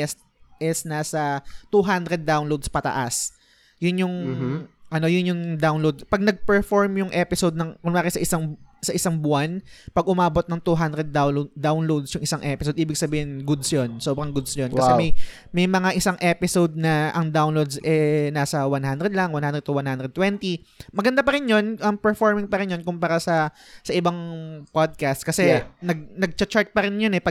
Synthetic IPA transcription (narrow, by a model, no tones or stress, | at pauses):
ɛst̪̚ | ʔɪsnaːsɐt̪uɦand̪ɾɛd̪̚ːawnlowd̪spɐt̪ɐ̰ʔas | jʊnjʊŋ | ʔɐno̞jʊnjʊŋd̪awnlowd̪̚pɐɡ̚nɐɡ̚pɛɹfoɹmjʊŋʔɛpɪsod̪̚nɐŋkʊnlaːkɪsɐʔɪsaŋsɐʔɪsaŋbʊanpɐɡʔʊmaːbo̞t̪nɐŋt̪uɦand̪ɾɛd̪̚awd̪awnlowd̪sjʊŋʔɪsaŋʔɛpɪsod̪ʔiːbɪɡ̚sɐbiːhɪnɡʊd̪sjonsoːbɾɐŋɡʊd̪sjonkɐsɛmɐj | mɐjmɐŋaʔɪsaŋʔɛpɪsowd̪̚nɐʔɐŋd̪awnlowd̪sʔɛnaːsɐwanhand̪ɾɛd̪̚lɐŋwanhand̪ɾɛd̪̚t̪uwanhand̪ɾɛd̪̚t̪wɛnt̪imɐɡɐnd̪apɐɾɪnjo̞nʔɐmpɛɹfoɹmɪŋpɐɾɪnjonkʊmpaːɾasɐ | sɐʔɪbaŋpod̪̚kast̪̚kɐsɛnɐɡ̚nɐɡ̚t͡ʃɐt͡ʃaɹt̪̚pɐɾɪnjonɛpɐ